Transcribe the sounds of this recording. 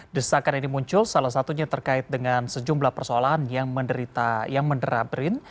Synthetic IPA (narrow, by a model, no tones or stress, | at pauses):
dəsakaninimuɲt͡ʃʊlsalahsat̪uɲat̪ərkaɪt̪̚dəŋansəd͡ʒumblahpərsoalaɦanjaŋməndəɾit̪ajaŋməndəɾabɾɪn